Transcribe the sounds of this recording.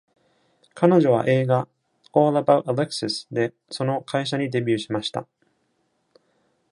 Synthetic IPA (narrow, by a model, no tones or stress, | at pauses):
kano̞ʑo̞β̞a̰ʔe̞ːɡa | oːlabaɯaleksesɨ̥d̪e̞ | so̞no̞kʰaiɕ̬aɲ̟id̪e̞bʲɨːɕimaɕi̥t̪a̰